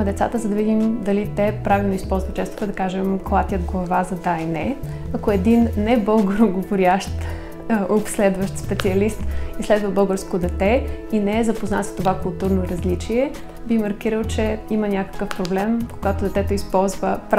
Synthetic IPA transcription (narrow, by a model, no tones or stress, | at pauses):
d̪ɛt̪sa̰t̪əzɐd̪ɐvid̪imd̪ɐlit̪ɛpɾavilˠnoispɔlˠzvət̪t͡ʃɛst̪o̥kɐd̪ɐkaʒɛmklˠat̪ʲjət̪ɡlˠɐvazɐd̪ainɛ | ɐkoɛd̪inːɛbɤlˠɡəɾoɡovʊɾʲaʃt̪ | opslɛd̪vəʃt̪spɛt̪siɐlist̪islɛd̪vəbɤlˠɡəɾskod̪ɛt̪ɛinɛɛzɐpoznat̪st̪ovakʊlˠt̪uɾnoɾɐzlit͡ʃiɛ | bixmɐɾk̟iɾəlˠt͡ʃɛimənʲakə̥kəfpɾoblɛmpo̥ɡat̪od̪ɛt̪ɛt̪oispɔlˠzvəp